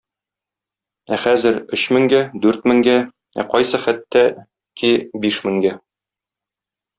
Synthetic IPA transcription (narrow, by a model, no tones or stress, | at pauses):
æχæzɘɾɵ̆ɕmɘ̆ŋɡæd̪ʉɾt̪mɘ̆ŋɡæ | æ̰qɒjsɤχæt̪ːæ | kibiʃmɘ̆ŋɡæ